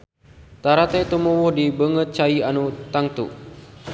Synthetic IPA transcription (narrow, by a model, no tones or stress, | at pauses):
t̪aɾat̪at̪umɔwɔhdibəŋət̪̚t͡ʃaianut̪aŋt̪ṵ